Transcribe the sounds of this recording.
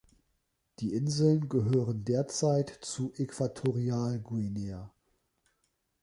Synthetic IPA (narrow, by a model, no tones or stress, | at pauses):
d̥iːʔɪnzl̩nɡəɦøːʁəndeːɐt͡saɪtt͡suːʔekv̥atʰoʁiaːlɡuineɐ